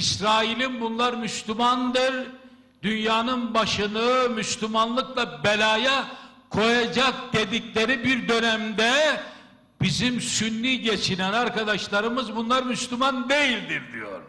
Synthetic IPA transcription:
isɾaːilʲimbunlˠaɾmyslʲymand̪ɯɾ | d̪ynjaːnɯnbaʃɯnɯmyslʲymanlˠɯklˠabelʲaːja | kʰo̞jad͡ʒak̚d̪̥ed̪iclʲe̞ɾibiɾd̪ø̞næmd̪ɛ | b̥izimsynːiɟet͡ʃʰinænaɾkad̪aʃlˠaɾɯmɯzbunlˠaɾmyslʲymand̪e̞jilʲd̪iɾd̪ijo̞̰ɾ

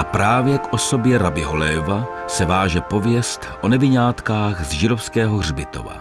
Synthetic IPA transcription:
ʔapɾaːvjɛkʔo̞so̞bjɛɾabɪɦo̞lɛːvasɛvaːʒɛpo̞vjɛst̪ʔonɛvɪɲaːt̪kaːxzʒɪdofskɛːɦoɣr̝bɪt̪o̞̰va̰

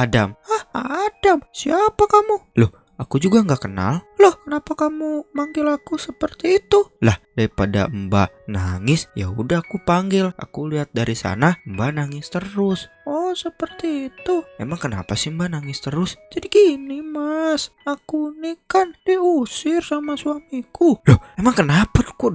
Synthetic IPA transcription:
adamahadamsiapakamulʊh | akud͡ʒuɡaŋɡakəna̰llohkənapakamumaŋɡɪlakusəpərt̪iːt̪ulahdaipada̰əmba | naŋɪsja̰udahakupaŋɡɪlʔa̰kuliat̪̚daɾisa̰naəmbanaŋɪst̪əɾʊs | ɔsəpərt̪iːt̪uemaŋkəna̰pasɪəmbanaŋɪst̪əɾʊsd͡ʒadiɡinimas | akunikandiusɪrsamasuamikulʊhemaŋkənapat̪ku

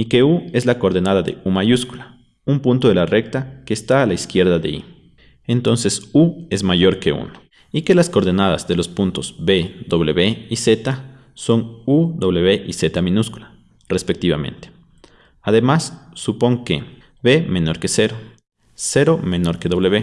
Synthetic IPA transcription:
ike̞ue̞zlako̞ɾðenaðaðe̞̰umaʝuskula | umpunt̪o̞ðelare̞kt̪ake̞ːst̪aːlaiskje̞ɾðaðe̞̰ḭ | ent̪o̞nse̞sue̞zmaʝo̞ɾke̞ṵno | ike̞lasko̞ɾðenaða̰zðe̞lo̞spunt̪o̞zbe̞ðo̞βle̞βe̞ise̞t̪a | so̞ŋuðo̞βleβe̞ʔise̞t̪amĩnuskulḁ | re̞spe̞k̚t̪iβamḛ̃nt̪e̥ | aðe̞masːupo̞ŋkḛ | βe̞mẽ̞no̞ɾke̞se̞ɾo̞ | se̞ɾo̞mẽ̞no̞ɾke̞ðo̞βleβe

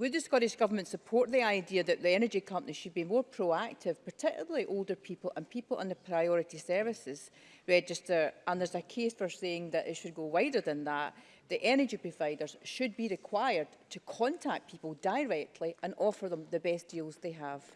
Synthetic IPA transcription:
wɪd̪ðəskɔɾɪʃɡ̥ʌvə˞mə̃ntsəpʰɔɹʔðiaɪdiəðəʔðiɛñə˞d͡ʒikʰʌ̃mpəniʃɨd̚bimɔɹpʰɹ̥oak̚tʰɪv̥pʰə˞tʰɪkjlˠəl̩ˠiʔolˠdə˞pʰipl̩ˠʔə̃npʰipl̩ˠʔə̰̃nðəpʰɹ̥aɪɔɹɪʔisɜ˞vɪsɪz̥ | ɹɛd͡ʒɪstə˞ʔə̃nðə˞zəkʰesfə˞seɪ̃ŋðəʔɪtʃɨd̚ɡowaɪdə˞ðə̃nðəʔ | ðiʔɛñə˞d͡ʒipʰɹ̥ovaɪdə˞z̥ʃɨd̚biɹɪkʰw̥aɪə˞d̚ | tʰəkʰɔ̃ntʰak̚pʰipl̩ˠdaɪɹɛk̚tʰˡlˠiʔə̃nɔfə˞ðə̃mðəbɛsd̥ilˠzðeəv̥

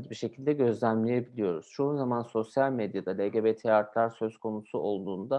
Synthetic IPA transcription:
d͡ʒ̪biʃe̞cʰilʲd̪ɛɟø̞zlʲæmlʲejebilʲijo̞ɾuz̥t͡ʃʰuunzamanso̞sjalʲmed̪jad̪alʲeɟebet̪ʰeaɾt̪lˠaɾsø̞zkʰo̞nusuo̞lˠd̪uːnd̪a

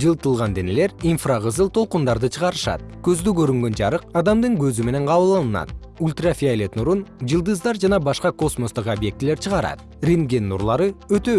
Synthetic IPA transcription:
d͡ʒɯlˠt̪əlˠʁɑnd̪e̞ne̞le̞ɾinfrɑʁəzɯlˠt̪ʰo̞lˠqund̪ɑɾd̪ɯt͡ʃʰəʁɑɾɯʃɑ̰t̪̚kɵzd̪ykøɾyŋɡø̞nd͡ʒɑɾɯqɑd̪ɑmd̪ɯɴkʰɵzyme̞ne̞ɴqʰɑβɯlˠɑlˠənɑ̰t̪̚ | ulʲt̪rafʲialʲet̪nuɾund͡ʒɯlˠd̪ɯzd̪ɑɾd͡ʒɑnɑbɑʃqɑko̞smo̞st̪ɯqobje̞k̚t̪ɪle̞ɾt͡ʃʰəʁɑɾɑ̰d̪ | rʲeŋɡʲenːuɾlˠɑɾɯøt̪ø̞

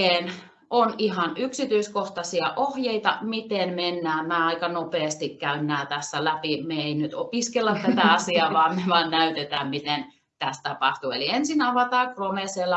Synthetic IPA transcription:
eːn | ʔonihɑnyksit̪yiskoht̪ɑsiɑʔohjeit̪ɑmit̪enmenːæːmæːɑikɑnopeːst̪ikkæynːæːt̪æsːælæpimeeinyt̪opiskelːɑt̪æt̪æɑsiɑʋɑːmmeʋɑːnnæyt̪et̪æːmmit̪en | t̪æst̪ɑpɑht̪ueliensinɑʋɑt̪ɑːkromeselːɑ

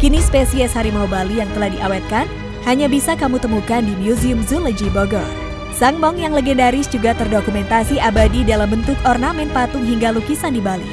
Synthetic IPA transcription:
kinispesiɛshaɾimawbalijaŋt̪əlahdiʔawɛt̪̚kan | haɲabisakamut̪əmukandimjuziʊmzuləd͡ʒibɔɡəl | saŋbɔŋjaŋləɡɛndaɾɪsd͡ʒuɡat̪ərdokumɛnt̪asiʔabadidalambənt̪ʊkɔrnamɛnpat̪ʊŋɦiŋɡalukisandibali

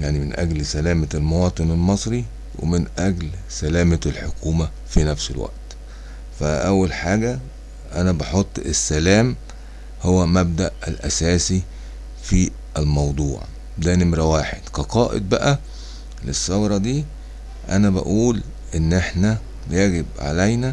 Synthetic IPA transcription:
jaʕnimenʔæ̰ɡlsælæːmæælmowɑːt̪ˤɨnelmɑsˤɾi | wʔḛmɪnʔæɡlsælæːmælħokuːmæ | finæfselwæ̰ʔt̪ | fæʔæwːælħaːɡæ | ʔænæbɑħot̪ˤːesːælæːm | howːæmæb̚d̪æʔæ̰lʔæ̰sæːsi | fi | ʔælmɑwd̪ˤṵːʕ | d̪æːnemɾæwaːħed̪̥kæqɑːʔḛd̪̚bæʔæ | lesːɑwɾˤɑd̪iː | ʔænæbæ̰ʔuːl | ʔenːʔeħnæ | jæɡebʕa̰læjnæ

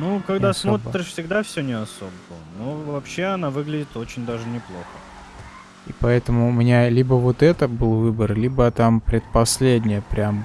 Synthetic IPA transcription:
nukɐɡd̪asmot̪ɾʲɪʂfsʲɪɡd̪afsʲɵnʲɪɐso̞bəənovɐpɕːe̞ɐnavɨɡlʲɪdʲɪt̪o̞t͡ɕɪnʲd̪aʐɨnʲɪplˠo̞xə | ipɐɛt̪əmʊʊmʲɪnʲalʲibəvo̞t̪ɛt̪əbɨlˠvɨbərlʲibət̪ampɾʲɪt̪pɐsʲlʲedʲnʲɪjəpɾʲam

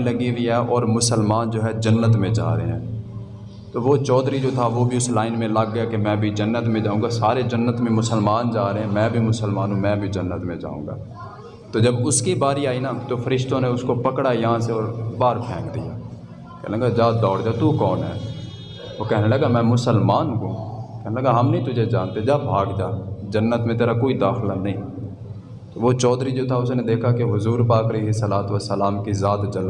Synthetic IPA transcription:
ləɡiʋiɦɛːʔɔːɾmʊsəlmaːnd͡ʒoːɦɛd͡ʒənːət̪mẽd͡ʒa̰ːɾəɦḛɦɛ̰̃ː | t̪oːʋot͡ʃɔːd̪ɾid͡ʒoːt̪ʰaʋobʱiʊslaːɪnmẽləɡːəjakemɛ̃ːbʱid͡ʒənːət̪mẽd͡ʒaːũːŋɡasaːɾed͡ʒənːət̪mẽmʊsəlmaːnd͡ʒaːɾəɦeɦɛ̃mɛ̃ːbʱimʊsəlmaːnũːmɛ̃ːbʱid͡ʒənːət̪mẽd͡ʒa̰ːṵ̃ːŋɡa̰ː | t̪oːd͡ʒəbʊskibaːɾiaːinaːt̪oːfʰəɾɪʃt̪õneʊskopəkɽajɐɦãseɔːɾbaːɾpʰɛːmd̪ɪja̰ː | kɛ̰ːlɡad͡ʒaːd̪ɔːɽd͡ʒaːt̪ukɔːnɦɛː | ʋokɛɦneləɡamɛ̃ːmʊsəlmaːnɦũːkɛɦneləɡaɦɐmnəĩt̪ʊd͡ʒʱed͡ʒaːnt̪ed͡ʒaːbʱaːɡd͡ʒaːd͡ʒənːət̪mẽt̪eːɾakoːid̪aːxlanɐɦĩː | t̪oːʋot͡ʃɔːd̪ɾid͡ʒoːt̪ʰaʊsnẽd̪eːkʰakeɦʊzuːɾpaːkəleːɦesəlaːt̪ʋəsəlaːmkizaːt̪d͡ʒəl

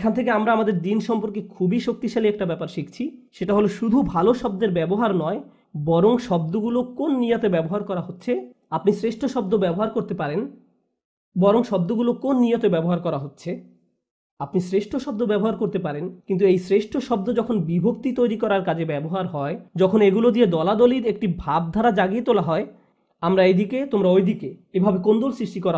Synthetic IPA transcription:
ekʰant̪ʰek̬eamɾaamad̪eɾd̪inʃɔmpoɾkekʰubiʃok̚t̪iʃaliɛk̚ʈabɛpaɾʃikt͡ɕʰiʃeʈaɦoloʃud̪ʱubʱaloʃɔbd̪eɾbɛboɦaɾnɔe | bɔɾoŋʃɔb̚d̪oɡulokonːijot̪ebɛboɦaɾkɔɾaɦotːɕʰe | apnisɾeʃʈʰoʃɔb̚d̪obɛboɦaɾkoɾt̪epaɾen | bɔɾoŋʃɔb̚d̪oɡulokonːijot̪ebɛboɦaɾkɔɾaɦotːɕʰe | apnisɾeʃʈʰoʃɔbd̪obɛboɦaɾkoɾt̪epaɾenkint̪uejsɾeʃʈʰoʃɔb̚d̪od͡ʑɔkʰonbibʱok̚t̪it̪ojɾikɔɾaɾkad͡ʑʱʰebɛboɦaɾɦɔed͡ʑɔkʰoneɡulod̪ied̪ɔlad̪oliɾek̚ʈibʱab̚d̪ʱaɾad͡ʑaɡiet̪olaɦɔe | amɾaed̪iket̪omɾaojd̪ikeebʱabekond̪olsɾiʃʈikɔɾa

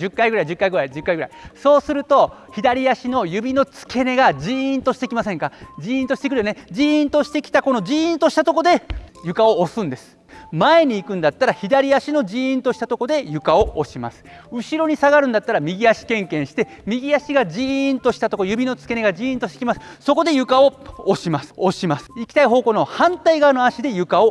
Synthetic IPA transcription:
d͡ʑɨkːaiɡɯ̟ɾaid͡ʑɨkːaiɡɯɾaid͡ʑɨkːaiɡɯɾa̰iso̞ːsɨɾɯ̟t̪o̞çid̪aɾʲijaɕino̞jɯ̟bʲino̞t͡sɨ̥ke̞ne̞ɡad͡ʑiĩnt̪o̞ɕi̥t̪e̞kʲimasẽ̞ŋkad͡ʑiĩnt̪o̞ɕi̥t̪ekɯɾɯjoned͡ʑiĩnt̪o̞ɕi̥t̪e̞kʲi̥t̪ako̞no̞d͡ʑiĩnt̪o̞ɕi̥t̪at̪o̞ko̞d̪e̞jɯ̟kao̞ːsɨ̃nd̪e̞sɨ̥ | mae̞ɲ̟iːkɯ̃nd̪at̪ːaɾaçid̪aɾʲiaɕino̞d͡ʑiĩnt̪o̞ɕi̥t̪at̪oko̞d̪e̞jɯ̟kao̞oɕima̰sɨ̥ | ɯ̟ɕiɾo̞ɲ̟isaɡaɾɯ̟̃nd̪at̪ːaɾamʲiɡʲijaɕi̥kẽ̞ŋkẽ̞ɰ̃ɕi̥t̪emʲiɡʲiaɕiɡaʑĩnt̪o̞ɕi̥t̪at̪o̞kojɯ̟bʲino̞t͡sɨ̥ke̞neɡaʑiĩnt̪o̞ɕit̪ekʲimasɨ̥so̞ko̞d̪e̞jɯ̟kao̞ːɕimasɨ̥oɕimasɨ̥ikʲi̥t̪aiɦo̞ːko̞ːno̞hãnt̪aiɡanoaɕid̪e̞jɯ̟kao̞

